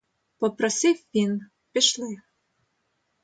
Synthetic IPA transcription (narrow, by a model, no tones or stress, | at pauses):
poprɔsʲifin | pʲɘ̆ʃle